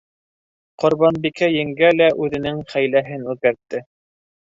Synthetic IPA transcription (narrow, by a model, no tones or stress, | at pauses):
qŏɾβɑnbikæjɘ̆ŋɡælæʔʉðɘ̆nɘŋχæjlæɦɘnʉðkæɾt̪ːɘ